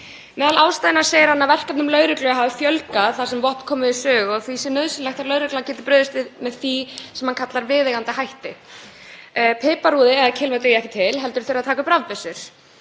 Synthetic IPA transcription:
mɛːðalaːwst̪ajɪnḁseːjɪɾhanːavɛr̥kap̪nʏmlœːɥɾɪklʏɦaːvɪfjœlkaθḁsɛmvɔh̪kʰɔːmɪðɪsœːɣɔɣθvisɛnœðsʏnlaxt̪ʰaɾlœːɥɾɪklancɛːt̪̬ɪ̥pɾʏːðʏst̪ɪðmɛðθisɛmhankʰat̪laɾvɪːðɛɣant̪ɪɦajht̪ɪ̰ | pʰɪːpaɾuːðɪɛðacʰɪlmɛt̪ɪjɛhkcɪt̪ʰɪlɦɛlt̪ʏɾ̥θeɪɾaðt̪ʰaːkʏpɾavpɪsʏɾ̥

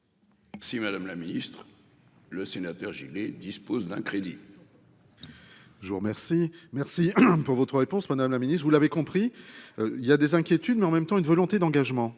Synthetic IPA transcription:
mɛsimad̪amlaminist̪χ | ləsenat̪œʁʒḭled̪ispozd̪ɛ̰̃kχed̪ḭ | ʒəvuʁəmɛʁsimɛʁsipuʁvɔt̪χəʁepɔ̃smad̪amlaminist̪χvulavekɔ̃pχi | iljad̪ezɛ̃kʲjet̪yd̪mɛɑ̃mɛmt̪ɑ̃ynvɔlɔ̃t̪ed̪ɑ̃ɡaʒmɑ̃

